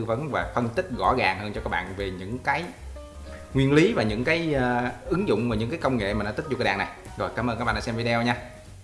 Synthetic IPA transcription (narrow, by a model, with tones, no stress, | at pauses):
və˨˦nvaː˨˩fə˧nt̪ï˦˥k̚ɣɔ̰˧˩ɣaː˨˩ŋhəː˧nt͡ɕɔ˧kaː˦˥k̚ɓa̰ː˧˨nve˨˩ɲɨ̰˧˥ŋkaː˨˦j | ŋwi˧ənli˨˦vaː˨˩ɲɨ̰˧˥ŋkaː˨˦jʔɨ˨˦ŋzʊ̰˧˨wŋ͡mvaː˨˩ɲɨ̰˧˥ŋkaː˨˦jkə˧wŋ͡mŋḛ˧˨maː˨˩n̰˧˥t̪i̟˦˥zkːɗa̰ː˧˨˩na˨˩j | zo˨˩jkaː˨˦mʔəː˧nka˦˥k̚ɓa˧˨˧aː˧sɛ˧mvi˧˦ɗɛ˧wɲaː˧